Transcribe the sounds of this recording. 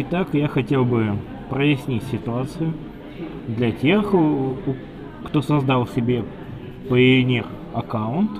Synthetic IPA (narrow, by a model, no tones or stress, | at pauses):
ɪt̪akjaxɐtʲe̞lˠbɨ | pɾəjɪsʲnʲitʲsʲɪt̪ʊat̪sɨjʊ | d̪lʲɐtʲe̞x | kt̪osɐzd̪ɑlˠsʲɪbʲe̞ | pəɪɪnʲer | ɐkaʊnt̪